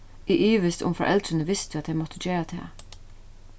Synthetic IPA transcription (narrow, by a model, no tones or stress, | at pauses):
ɪʔyːʋɪst̪ʊ̰mfɔ̰ʔɛ̰lt̪ɾənəʋɪst̪ɑt̪̚d̪ɛɪmɔt̪ʰəd͡ʒeːɹat̪ʰɛ̰ː